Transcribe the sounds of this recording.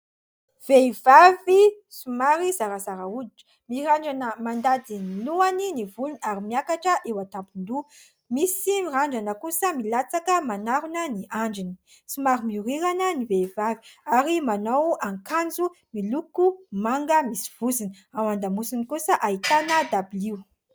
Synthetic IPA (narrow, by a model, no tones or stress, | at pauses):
v̥eivavi | sumaɾizaɾazaɾaud̪iʈ͡ʂə̥ | miɾaɳɖ͡ʐanəmand̪ad̪iniluaninivulunaɾimiakaʈ͡ʂəʔewat̪ampund̪u | misimiraɳɖ͡ʐanəkusəmilat͡sakəmanaɾunəniʔaɳɖ͡ʐini | sumaɾimiuɾiɾanənivevavi̥aɾimanawaŋkand͡zu | milukumaŋɡəmisi̥v̥uzin | amand̪amusinikusəʔait̪anəd̪abiliw